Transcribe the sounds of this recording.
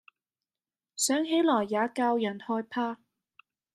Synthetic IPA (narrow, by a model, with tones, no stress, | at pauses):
sœː˨˥ŋɦe˨˥jlɔː˨˩jːaː˨˥kaː˧wjɐ˨˩nhɔː˧jpʰaː˧